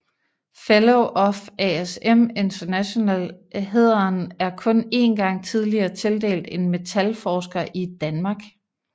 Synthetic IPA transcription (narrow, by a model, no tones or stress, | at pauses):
feloʊʔɒfæeseme̝nt͡sɐnæɕo̝nɛlɦe̝ð̰ˠɐnæɐkʰɔ̽ne̝̰ːnɡ̥ɑ̈ŋ̰t͡sʰið̞ˠliɐːt͡sʰe̝ld̥e̝̰ːld̥e̝nme̝t͡sʰælfɒːsɡ̥ɐʔid̥ænmɑ̈ːɡ̥